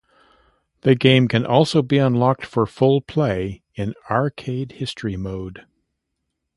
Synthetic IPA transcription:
ðɨɡẽɪ̃mkʰɨ̃nʔɔlˠsoʊbiə̃nlɑk̚tfə˞fʊlˠpʰl̥eɪ | ɨ̃nɑɹkʰeɪd̚hɪstɹ̥imoʊd̥

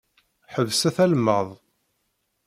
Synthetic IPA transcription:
ħəvsæθælmːəðˤ

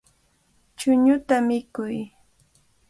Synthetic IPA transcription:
t͡ʃʊɲʊt̪amɪkʊj

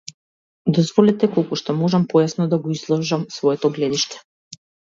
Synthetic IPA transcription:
d̪ɔzvɔlɛt̪ɛkɔlˠkuʃt̪ɔmɔʒampɔjasnɔd̪aɡɔizlˠɔʒamsvɔɛt̪ɔɡlɛd̪iʃt̪ɛ̥

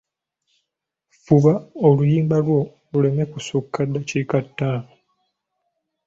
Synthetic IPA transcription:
fuβaolujiːmbalwo̞ | lule̞mekusukːadːacikatːaː

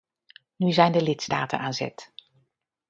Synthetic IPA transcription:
nyzɛjndəlɪtsta̰ːtə̰nʔaːnzɛ̰t

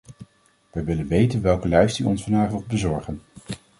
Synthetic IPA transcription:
ʋɛjʋɪlənʋejtənʋɛlˠkəlɛɥstiɔnsfɑnaːχɔχbəzɔɹχən

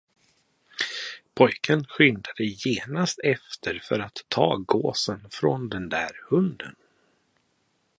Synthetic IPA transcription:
pʰɔjkʰənɧʏnd̪ad̪əjeːnast̪ɛft̪ʰəɾfœɾat̪ʰːɑ̰ːɡoːsənfɾɔnd̪ɛnd̪æːɾhɵnd̪ən

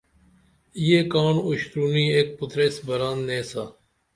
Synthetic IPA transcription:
ijeːkaːɳʊɕt̪ɾuːniːeːk̚pʊt̪ɾeːsbəɾaːnːẽːsaː

